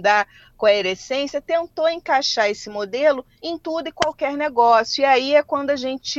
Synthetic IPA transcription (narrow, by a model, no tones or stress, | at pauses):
d̪ɐ | koeɾesẽsiɐt̪ẽnt̪owẽkaʃaɾesɪmod̪elʊ | ẽj̃t̪ud̪ʊɪkwawkɛɾneɡɔsjʊiaiɛkwɐ̃nd̪ʊaʒẽnt͡ʃɪt͡ʃɪ